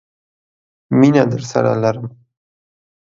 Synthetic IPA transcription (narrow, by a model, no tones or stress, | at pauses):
minad̪əɾsa̰ɾa̰laɾəm